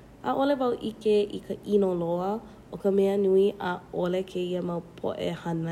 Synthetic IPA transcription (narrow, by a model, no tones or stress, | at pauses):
ʔaʔolevɐwʔikeʔḭkʰəʔinoloə | ʔokəmɛənuiʔəolekʰeiəmɐwpʰo̰ʔḛhɐnə